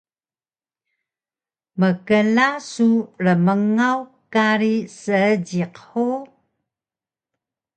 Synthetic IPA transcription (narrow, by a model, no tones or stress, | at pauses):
məkəlasurəməŋawkaɾisəəɟiqħu